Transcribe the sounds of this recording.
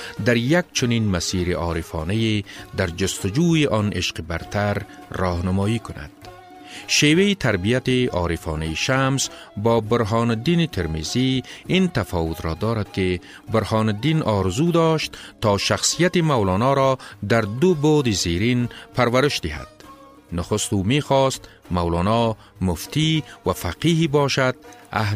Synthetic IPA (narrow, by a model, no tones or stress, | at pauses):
d̪aɾjak̚t͡ʃʰʊninmasiːɾiʔɒːɾifɔ̰ːnejed̪aɾd͡ʒʊst̪ʊd͡ʒuːjiʔɔːnʔeʃqibaɾt̪ʰaɾː | ɒːhnʊmɔːjikʊna̰d̪̥̚ | ʃeːwejit̪ʰaɾbijat̪iɒ̰ːɾifɔ̰ːnejiʃams | bɔːbʊɾɦɑːnd̪init̪ʰeɾmeziint̪afɔːwʊt̪ɾɔːd̪ɒːɾad̪̚kɪ | bʊɾhɑːnd̪inʔɔɾzud̪ɔʃt̪t̪ːɔʃaxsijat̪imawlɔːnɒɾɔd̪aɾd̪ʊbod̪iziɾinpʰaɾwaɾɪʃd̪ɪɦa̰d̪̥ | nʊxʊst̪uːmexɔst̪ | mawlɔːnɔ | mʊft̪iwafaqiɦibɔːʃad̪̥̚a̰ɦ